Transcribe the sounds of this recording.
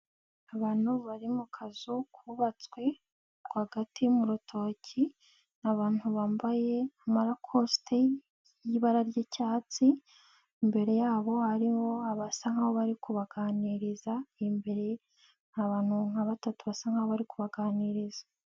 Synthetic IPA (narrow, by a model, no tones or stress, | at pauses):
aβaːn̥huβaɾimukʰazukʰuβat͡swe̞ | ɡwaɡatʰimuɾutʰo̞ːci | naβaːn̥huβaːmbaje̞amaɾakʰostʰe | jiβaɾaɾɟicaːt͡si | mbe̞ɾe̞jaːβo̞haɾiho̞aβasaŋaβoβaɾikuβaɡaːniɾizaimbe̞ɾe̞ | naβaːn̥huŋaβatatuβasaŋ̥aoβaɾikuβaɡaːniɾizḁ